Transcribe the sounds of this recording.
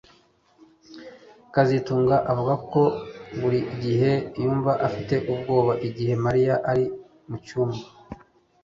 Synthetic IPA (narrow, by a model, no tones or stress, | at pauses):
kazituːŋɡaʔavuɡako̞βuɾiʔɟiɦe̞juːɱvaʔafite̞ʔub̚ɡo̞ːβaʔiɟihe̞maɾijaʔaɾi | mucuːma